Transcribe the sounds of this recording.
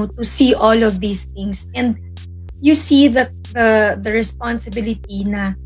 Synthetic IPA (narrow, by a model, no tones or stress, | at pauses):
t̪usiʔɔlɔvðiːsθɪ̃ŋsɛ̃nd̪̚ | jusiðɐ | ðɐðɐɹɛspãnsɪbɪlɪt̪̚inɐ